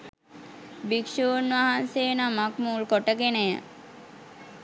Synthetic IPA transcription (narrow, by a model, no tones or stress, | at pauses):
bikʃunʋaɦanseːnamak̚muːlkoʈəkenejə̰